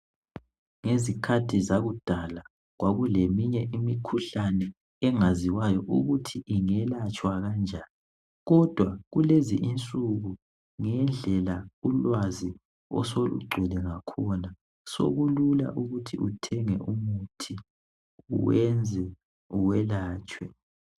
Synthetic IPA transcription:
ŋezikʰatʰizaɣud̥ʱala | ɣwaɣulemiɲɛʔimikʰuɬanɛ | ɛŋaziwajɔʔuɣutʰiʔiŋɛlat͡ʃʼwaɣand͡ʒʱaːni | ɣɔd̥ʱwaɣuleziʔint͡sʼuɣu | ŋɛnd͡ɮʱɛlaulwazi | ɔ̰s̬olṵɡ͡ǃʱilɛŋakʰɔna | so̰ɣulula̰ʔuɣutʰiutʰɛŋɛ̰ʔumutʰi | ṵwɛnd͡zʱɛ | uwɛlaːt͡ʃʼwɛ

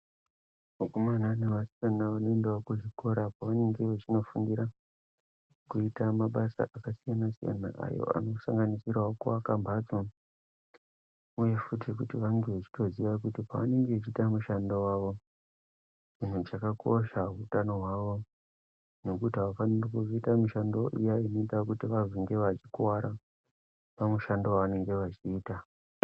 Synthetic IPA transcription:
makomananeʋasijanaʋanoendewokuʐiko̞ɾapaʋane̞ŋɡe̞ʋet͡ʃino̞fuŋɡiɾa | kuitamaɓasa̰ʔakasijanasḭja̰na̰ʔa̰jo̞̰ʔa̰no̞saŋɡanisirwaokuakambʱad͡zu | uje̞futik̬utiʋaŋɡe̞ʋet͡ʃi̥to̞ziʋak̬utipaʋane̞ŋɡet͡ʃitamuʃandowaʋo̞ | mun̤ut͡ʃakakʰo̞ʃautano̞ɦwaʋo̞ | no̞kutiɦaʋafanirokuzoitamiʃandoʔijainoitakutiʋaziŋɡe̞ʋat͡ʃikwaɾa | pamuʃandowaʋane̞ŋɡe̞ʋat͡ʃiːta

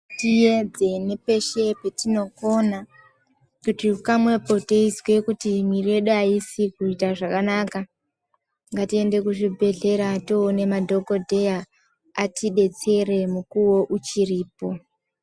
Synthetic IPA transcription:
tijed͡ze̞nepe̞ʃepetino̞ko̞na | kutiukamwe̞po̞teizwe̞kutimwirie̞ɗuaisikuitaʐakanaka | ŋɡatie̞nde̞kuʐibʱe̞ɮe̞ɾatoːne̞madʱo̞ɡo̞dʱe̞ja | atʰiɗe̞t͡se̞re̞mukuwo̞ʔut͡ʃiriːpo̞

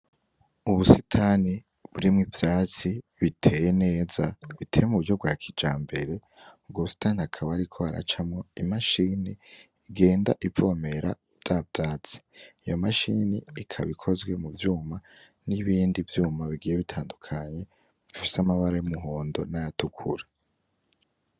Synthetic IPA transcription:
uβusitʰaːni | βuɾimŋivjaːt͡siβitʰe̞ːjene̞ːzaβitʰe̞ːjemuβuɾɟo̞b̚ɡwaːkʰid͡ʒaːmbe̞ɾe̞ | ɡuβusi̥taːnihakʰaβaːɾikʰo̞aɾa̰t͡ʃamŋoimaʃiːniː | ɡe̞ːnda̰ʔivo̞ːme̞ɾa | vj̥avjaːt͡si̥ijo̞maʃiniikʰa̰βikʰo̞zɡwe̞muvjuːma | niβiːndivjuːmaβiɡiːjeβitʰaːndukʰaɲe̞ | βifi̥samaβaɾajomuɦo̞ːndo̞najatukʰṵɾa

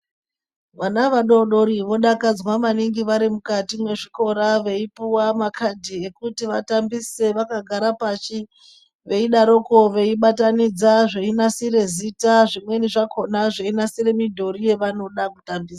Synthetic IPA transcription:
ʋanaʋaɗo̞ɗo̞ɾiʋo̞ɗakad͡zwaʋaniŋɡiʋaɾimukatimwe̞ʐiko̞ɾaʋe̞ipuwamakʰadʱie̞kutiʋatambise̞ʋakaɡʱaɾapat͡ʃi | ʋe̞iɗaɾoko̞ʋe̞iɓatanid͡zaʐeinasiɾe̞zitaʐimwe̞niʐakʰo̞naʐeinasire̞midʱo̞rije̞ʋano̞ɗakutambiːsa

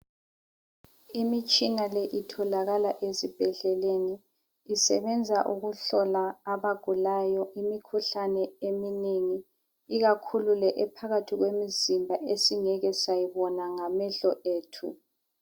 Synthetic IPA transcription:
imit͡ʃʼinalɛʔitʰɔlaɣalaʔezib̥ʱɛɮɛleniː | sɛβɛnd͡zʱaʔuɣuɬɔlaːβaɡ̥ʱulajɔʔimikʰuɬanɛemineŋi | iɣakʰululɛʔɛpʰaɣatʰiɣwemizimbʱaʔesiŋɛɣɛsajiβɔnaŋamɛɬɔʔeːtʰṵ

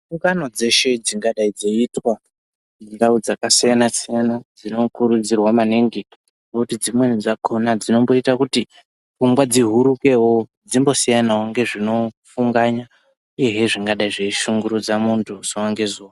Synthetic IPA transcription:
ukano̞d͡ze̞ʃe̞d͡ziŋɡaɗaid͡zeitwa | indaud͡zakasijanasijanad͡zino̞kuɾud͡zirwamaneŋɡi | nokutid͡zimwe̞nid͡zakonad͡zino̞mbo̞itakuti | kumɡwad͡ziɦuɾuke̞wo̞ | d͡zimbo̞sijanawoŋɡe̞ʐino̞fuŋɡaɲa | uje̞ɦeʐiŋɡaɗaiʐeiʃuŋɡuɾud͡zamuntʰusowaŋɡe̞zuːwaa

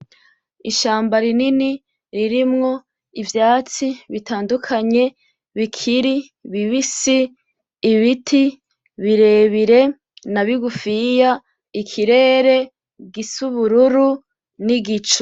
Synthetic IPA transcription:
iʃaːmbaɾinini | ɾiɾimŋo̞ | ivjaːt͡siβitaːndukʰaɲe̞ | βikʰiɾi | βiβisiː | βitʰi | βiɾe̞ːβiɾe̞ | naβiɡufija | ikʰiɾe̞ːɾe̞ | ɡisuβuɾuɾu | niɡit͡ʃo̥

